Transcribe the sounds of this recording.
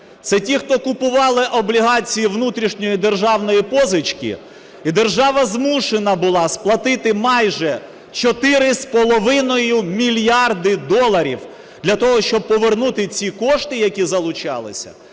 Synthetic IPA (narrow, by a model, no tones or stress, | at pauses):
t̪sɛtʲixt̪ɔkʊpʊʋɑlˠɪʔɔblʲiɦɑt͡sʲijiʋnut̪ɾʲiʃnʲɔjid̪e̞rʒɑwnɔjipɔzɪt͡ʃkʲḭ | id̪e̞rʒɑʋɐzmuʃenɐbʊlˠɑsplˠɐt̪ɪt̪ɪmɑjʒɛ | t͡ʃɔt̪ɪɾɪspɔlˠɔʋɪnɔjʊmʲilʲjɑrd̪ɪd̪ɔlˠɐɾʲḭw | d̪̥lʲɐt̪ɔɦɔʃt͡ʃɔb̚pɔʋernut̪ɪt͡sʲikɔʃt̪ɪjɐkʲizɐlˠʊt͡ʃɑ̰lˠɪ̰sʲɐ̰